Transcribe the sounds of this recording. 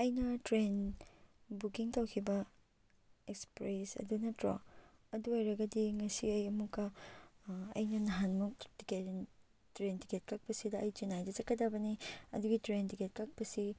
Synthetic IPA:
ɐjnɐtɾen | bukiŋtawkʰibɐ | ekspɾesɐ̰dunɐtɾo̰ɐduojɾɐɡɐdiŋɐsiɐjɐmukːɐ | ɐ̰jnɐnɐɦanmuk̚tike | tɾentiket̚kɐk̚pɐsidɐɐjd͡ʒenajdɐzɐkːɐdabɐniɐ̰duɡitɾentiket̚kak̚pɐsi

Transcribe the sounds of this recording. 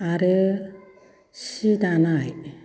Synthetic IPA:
aɾɯ | sidanaj

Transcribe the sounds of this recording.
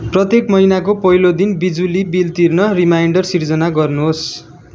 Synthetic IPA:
prʌt̪ekmʌjnak̬opʌilod̪inbid͡zulibilt̪irnʌrimajɳɖʌrsird͡zʌnaɡʌrnuɦos

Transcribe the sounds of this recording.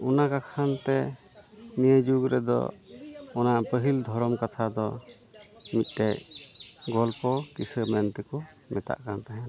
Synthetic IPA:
ɔnakakʰant̪ɛ | nijəd͡ʒuɡɾɛd̪ɔ̰ | ɔnapəɦild̪ʱɔɾɔmkat̪ʰad̪ɔ | mit̪̚ˀʈɛʔ | ɡɔlpɔkisəmɛnt̪ɛkɔ | mɛt̪a̰ʔkant̪aɦɛn

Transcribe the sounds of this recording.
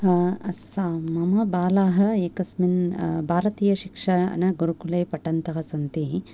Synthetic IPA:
ɐsamɐmɐbaːlaːɦɐ̆eːkɐsminbʱaːɾɐt̪iːjɐʃikʂɐɐ̰nɐɡuɾukulejpɐʈɐnt̪ɐɦɐsɐnt̪i

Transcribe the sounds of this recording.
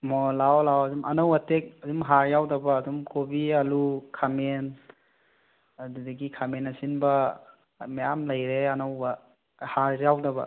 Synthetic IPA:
mɔlawlawɐdumʔɐ̰nowɐtek̚ɐdumɦaɾjawdɐbɐːdumkobiɐlukʰamen | ɐdudɐɡikʰamenɐsinbɐ | mejamlɐjɾeɐnowbɐ | haɾjawdɐbɐ̰

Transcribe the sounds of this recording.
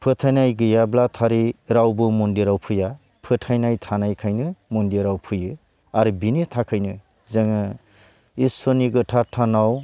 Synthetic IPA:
pʰɯtʰajnajɡɯjablatʰaɾiɾawbɯmɔndiɾawpʰɯja | pʰɯtʰajnajtʰanajkʰajnɯmɔndiɾawpʰɯjɯ | aɾibinitʰakʰajnɯ | zaŋɯ | isoniɡɯtʰatʰanaw

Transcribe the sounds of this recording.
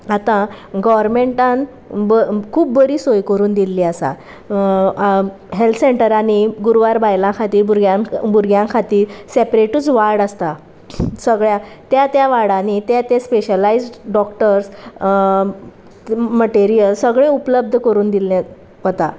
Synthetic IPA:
at̪ã | ɡɔʋəɾmeɳʈãn | bəkʰuːp̚bəɾiːsojkəɾuːnd̪ilːiasa̰ | ɦelt̪ʰseɳʈəɾaɽ̃iɡuɾʋaɾbajlãkʰat̪iːɾbuɾɡjabuɾɡjãkʰat̪iːɾsepɾeʈut͡sʋaɾɽast̪a | səɡɭja | t̪jat̪jaʋaɽãnit̪jat̪espeɕəlaid͡zɖɖɔkʈəɾs | məʈeɾijəlsəɡɭẽupləb̚d̪ʱəkəɾuːnd̪ilːa | ɔt̪a

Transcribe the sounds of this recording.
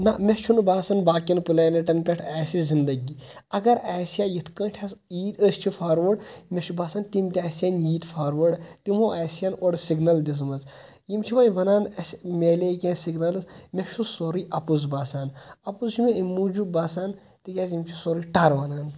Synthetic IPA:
namʲet͡ʃʰunbaːsɐnbaːkinpɨlaːniʈɐnpʲɛʈʰɛːsizind̪ɐɡiɐɡɐɾɛːsjaːjit̪ʰkə̃ːʈʰɐsiːd̪əsʲt͡ʃʰifʰaːɾʋɐɖmʲeʃʰubaːsaːnt̪imt̪ʲɛːsjaːnjiːd̪fʰaːɾʋɐɖt̪imoːʔɛːsjaːnoɽsiɡnɐld̪ʲis̬mɐz | jimt͡ʃʰiʋɐnʋɐnaːnɐsʲmʲeːleːkʲẽːnsiɡnɐlsmʲeʃʰusoɾiʔɐpuzbaːsaːnɐpuzt͡ʃʰumeimːud͡ʒubaːsaːn | t̪iɡʲazjimt͡ʃʰisoɾiʈɐɾʋɐnaːn

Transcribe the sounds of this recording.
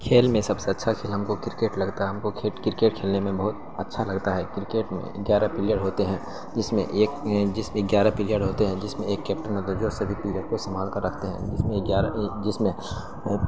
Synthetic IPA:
kʰeːlmẽsɐbseɐtːʃʰakʰeːlɦɐmkokɪɾkeːʈlɐɡt̪aɦɛɦɐmkokʰːkɪɾɪkeːʈ̚kʰeːlnemẽbɐɦʊt̪̚ | ɐtːʃʰalɐɡt̪aɦɛːkɪɾɪkeːʈmḛ̃ɡjaːɾapɪlijəɖɦoːt̪eɦɛ̃ː | d͡ʒɪsmḛ̃ʔeːkd͡ʒɪsmẽɡjaːɾapɪlijəɖɦoːt̪eɦɛ̃d͡ʒɪsmẽeːkːɛːp̚ʈənɐd̪əɾd͡ʒoːsɐbʱipɪlijəɖkost̪ɐmaːlkɐɾːɐkʰt̪eɦɛ̰̃d͡ʒɪsmẽɡjaːɾd͡ʒɪsmẽ

